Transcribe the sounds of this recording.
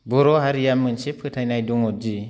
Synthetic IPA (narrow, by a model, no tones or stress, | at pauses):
boɾohaɾijamːənt͡ʃipʰətanajduŋod͡ʒi